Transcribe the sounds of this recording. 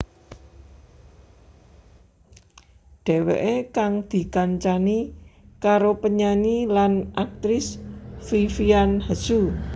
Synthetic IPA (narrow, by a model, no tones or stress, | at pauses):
ɖ̥e̤wḛʔekaŋd̪̥i̤kaɲt͡ʃanikaɾopəɲaɲilanʔak̚t̪ɾɪsfifianhə̥su